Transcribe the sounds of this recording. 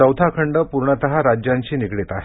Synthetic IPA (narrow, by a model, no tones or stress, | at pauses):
əwt̪ʰakʰəɳɖəpuɾɳət̪əɦaɾad͡ʑjaɲt͡ɕiːnikɽet̪aɦe